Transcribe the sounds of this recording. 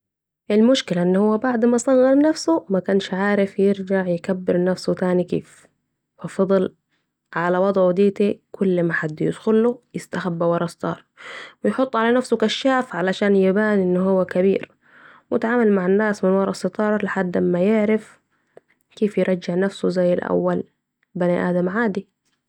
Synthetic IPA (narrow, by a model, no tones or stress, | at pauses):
ʔɪlmʊʃkɪlaʔɪnːhʊwːabaʕd̪masˤɑɣɣɑɾˤnafsumakanʃʕaːɾɪfjɪɾd͡ʒaʕjɪkabːɪɾnafsut̪aːnikḛːf | wɑfɑd̪ˤɨl | ʕalawɑd̪ˤʕd̪iːt̪ikʊlːmaħad̪ːjɪ̰d̪xʊlːujɪst̪axabːawɑɾˤɑst̪ˤɑ̰ːɾˤwɪjħʊt̪ˤːʕalanafsukaʃːaːfʕalaʃaːnjɪbaːniʔɪnːʊɦuwːakabḭːɾ | wjɪt̪ʕaːmalmaʕanːaːsmɪnwɑɾˤɑst̪ˤɑːɾˤlɪħad̪ːmːajɪʕɾɪf | keːfjɪɾˤɑd͡ʒːɪʕnafsuzajːɪlʔa̰wːal | baniʔa̰ːd̪amʕaːd̪i